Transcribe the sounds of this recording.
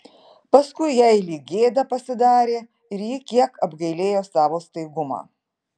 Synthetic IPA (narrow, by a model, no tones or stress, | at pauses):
pɐskʊɪjɛɪlʲiːɡʲeːd̪ɐpɐsʲɪd̪ɑːɾʲeː | ɪɾjɪkʲiɛkɐbɡɐɪlʲeːjoːsɑːʋoːst̪ɐɪɡʊmɑ̰ː